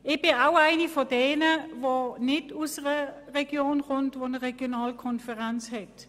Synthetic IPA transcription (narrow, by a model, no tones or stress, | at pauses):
ɪb̥ɪnaʊaɪnifodɛːnəvonɪdusəʁə | ʁɛɡ̥joːnχʊntʋonəʁɛɡ̥jonaːlkʰɔnfəʁɛnt͡shɛt